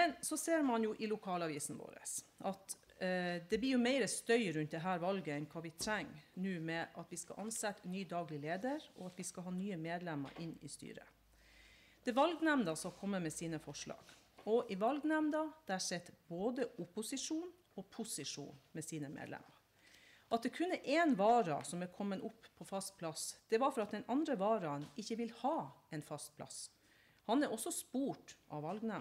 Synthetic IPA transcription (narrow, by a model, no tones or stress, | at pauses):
mɛnsɔseːɾmɑnjʊʔɪlʊkʰɑːlɑʋiːsn̩ʋo̰ːɾə̰sʔɑt̪ | d̪ɛblɪɾjʊmæɪɾəst̪œʏɾʉnt̪̚d̪ɛɦæːɾʋɑlɡəɛnkʰɑːʋɪt̪ʰɾɛŋːnʉːmɛʔɑt̪ʋɪskɑ̰ʔɑnsɛt̪ːnyːd̪ɑːɡlɪleːd̪əɾɔɑt̪ʋɪskɑlɦɑːnyːəmeːd̪lɛmə̰ɾʔɪnːɪ̰st̪y̰ːɾə̰ | d̪̥ɛʋɑlɡnɛmnd̪ɑsɔkʰɔmːəmɛsiːnəfɔʂɭɑ̰ːɡ̥ | ɔʔɪʋɑlɡnɛmd̪ɑd̪̥ææʂɛt̪ːboːd̪əʊpʊsɪʂuːn | ɔpʰʊsɪʂṵːnmɛsiːnəmḛːd̪lɛ̰məɾ | ʔɑt̪̚d̪ɛkʰʉnːəʔeːnʋɑːɾɑ̰sɔmɛkʰɔmːənʔʊpːʰɔfɑst̪̚pʰlɑsd̪̥ɛʋɑɾfɔɾɑt̪̚d̪ɛnʔɑnd̪ɾəʋɑːɾɑnɪçːəʋɪlhɑːɛnfɑst̪̚pʰlɑ̰s | hɑnæɾʔɔsːɔspuːʈʔɑ̰ʋʋɑlɡnɛm